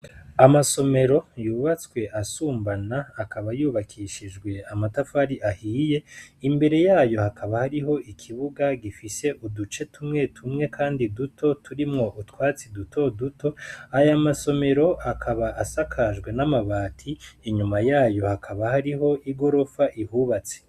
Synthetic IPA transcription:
amaso̞me̞ɾo̞juːβat͡skwe̞ʔasuːmbanaːkʰaβajuːβakʰiʃid͡ʒɡwe̞amatafaɾiʔahiːje̞imbe̞ɾe̞jaːjo̞hakʰaβahaɾiɦo̞ʔikʰiβuɡaɡifise̞ʔudut͡ʃe̞tumŋe̞tʰumŋe̞kʰaːndidutʰo̞tʰuɾimŋo̞ʔutwaːt͡sidutʰo̞dutʰo̞ajamaso̞me̞ɾo̞ʔakʰaβaʔasakʰaʒɡwe̞namaβaːtʰiiɲumajaːjo̞hakʰaβahaɾiɦo̞ʔiɡo̞ɾo̞faʔihuːβat͡se̥

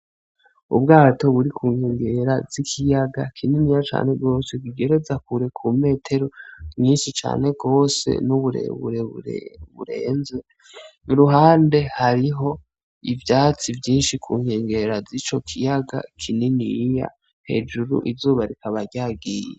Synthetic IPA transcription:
ṵbɡaːto̞βuɾikʰuːŋheːŋɡe̞ɾazikʰijaɡa̰kʰininijat͡ʃa̰ːne̞ɡo̞ːseɡwiɡe̞ɾe̞zakuɾekʰume̞ːtʰe̞ɾo̞mɲiːnʃit͡ʃa̰ːne̞ɡɡo̞ːse̞̰nuβuɾḛβṵɾβṵɾe̞̰ːnze | niɾuɦaːnde̞haɾiɦo̞ | ivjaːt͡sivjiːnʃikʰuːŋ̥he̞ːŋɡe̞ɾazit͡ʃo̞kʰijaɡa̰kʰininija̰ | he̞̰ːd͡ʒuɾṵʔizuːβaɾikaβaɾɟaːɡije

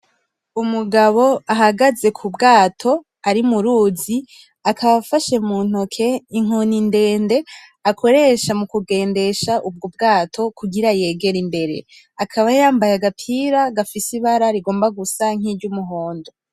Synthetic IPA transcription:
umuɡaβo̞aɦaɡaze̞kʰubɡaːtʰo̞ | aɾimuɾuːzi | akʰaβafaʃe̞muːn̥hokʰeiŋ̥oninde̞ːnde̞ | akʰo̞ɾe̞ʃamukuɡe̞ːnde̞ʃaʔub̚ɡob̚ɡaːtʰo̞kʰuɡiɾaje̞ːɡe̞ɾimbe̞ɾe̞̰ | akʰaβajaːmbajaɡapʰiːɾaɡafisiβaɾaɾiɡo̞ːmbaɡusaŋ̥iːɾɟumuɦo̞ːndo

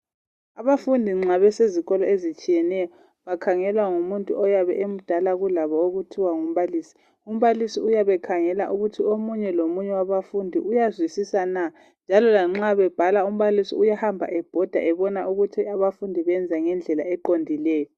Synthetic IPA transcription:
aβafundʱiŋ͡ǁaβɛseziɣɔlɔezit͡ʃʼijɛnɛjɔ | βakʰaŋɛlwaŋumuntʼṵʔɔjaβɛ̰ʔem̩d̥ʱalaɣulaβɔoɣutʰiwaŋum̩βaliːsi̥ | um̩βalisiujaβɛkʰaŋɛla̰ʔuɣutʰiomuɲɛlomuɲɛwaβafundʱḭʔujazwisisana | nd͡ʒʱalɔlaŋ͡ǁaβɛb̥ʱalaum̩βalisḭujahambʱa̰ʔɛb̥ʱɔd̥ʱa̰ʔɛβɔnaʔuɣutʰiaβafundʱiβɛnd͡zʱaŋɛnd͡ɮʱɛlaɛǃondʱilɛːjɔ

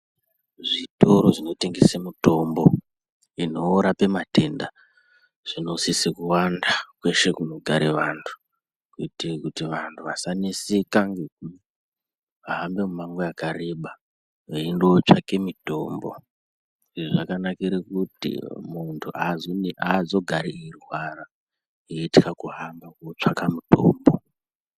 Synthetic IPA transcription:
ʐitoɾo̞ʐino̞te̞ŋɡesemito̞mbo̞ | ino̞ːɾape̞mate̞nda | ʐ̥ino̞sisikuwandakwe̞ʃe̞kuno̞ɡʱaɾeʋantʰu̥ | kuitikutiʋantʰuʋasanesikaŋɡe̞k̚u | ʋaɦambe̞mumaŋɡeakareɓa | ʋeindot͡ʂake̞mito̞̰ːmbo̞̰ | ʐiʐʐakanakiɾekutḭmuntʰuʔazoniʔazo̞ɡʱaɾeirwara | eitikakuɦambakot͡ʂakamuto̰ːmbo̞

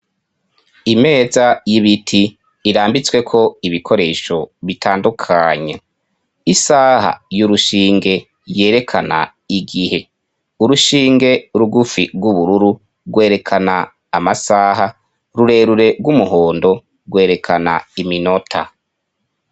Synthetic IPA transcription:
ime̞ːzajiβitʰiː | ɾaːmbit͡swe̞kʰo̞iβikʰo̞ɾe̞ːʃo̞βitʰaːndukʰaɲe | isaːha̰juɾuʃiːŋɡe̞ | je̞ːɾe̞kʰana̰ | iɡihe̞ | uɾuʃiːŋɡe̞ɾuɡufiɡwuβuɾuɾu | ɡwe̞ːɾe̞kʰanaː | masaːɦa | ɾuɾe̞ɾuɾe̞ɡwumuɦo̞ːndo̞ | ɡwe̞ːɾe̞kʰana̰imino̞tʰa̰

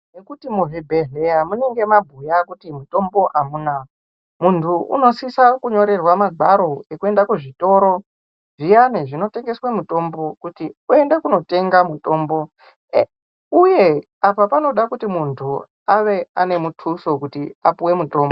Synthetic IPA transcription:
nekutimuɦibʱeɮe̞jamuneŋɡe̞mabʱujakutimuto̞mbo̞ʔamuna | muntʰuʔṵno̞sisakuɲo̞ɾe̞rwamaɡʱaɾo̞ekue̞ndakuʐito̞ɾo̞ | ʐijaneʐino̞te̞ŋɡe̞swamuto̞mbo̞kutiue̞nde̞kuno̞te̞ŋɡamuto̞ːmbo̞ | uje̞ | apapano̞ɗakutimuntʰu | aʋe̞ane̞mutʰuso̞kutiapuwe̞muto̞ːmbo

